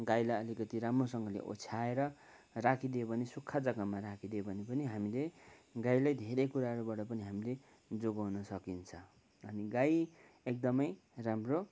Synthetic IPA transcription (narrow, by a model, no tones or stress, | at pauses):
ɡajlajʌlikʌt̪iɾamrosʌŋɡʌlḛʔo̰t͡sʰaeɾʌ | rakʰid̪obʱʌnesukʰːad͡zʌɡʌmmaɾakʰid̪eobʱʌnepʌniɦamileɡajlajd̪ʱeɾʌjkuɾaɦʌɾubaʈʌpʌniɦamile | d͡zoɡawnʌsʌkint͡sʰʌ | ʌniɡaj | ek̚d̪ʌmʌj | ramro